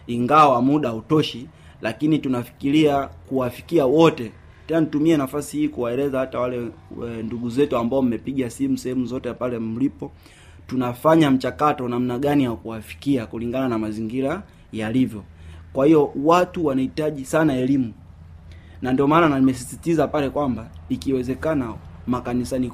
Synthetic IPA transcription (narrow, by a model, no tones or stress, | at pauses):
iŋɡawamuɗautɔʃi | lakinitunafi̥kiliakuwafi̥kiawɔtɛ | tɛnanitumiɛnafasihiːkuwaɛlɛzahatawalɛnduɡuzɛtuambaɔm̩mɛpiɠasimusɛhɛmuzɔtɛpalɛm̩lipɔ | tunafaɲam̩t͡ʃakatɔnam̩naɠanijakuwafi̥kiakuliŋɡananamaziŋɡiɾa | jalivjɔkwahiɔwatuwanahitaʄisanaɛlimu | nandiɔmaːnanaimɛs̬isitizapalɛkwambaikiwɛzɛkanamakanisani